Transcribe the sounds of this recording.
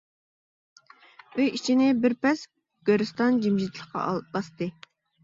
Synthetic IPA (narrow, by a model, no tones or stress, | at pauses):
øjit͡ʃʰinɪbɪɾpɛs | ɡ̥ʲøɾɨst̪ɑnd͡ʒimʒit̪ʰlˠəχqɑ̰bɑst̪ɨ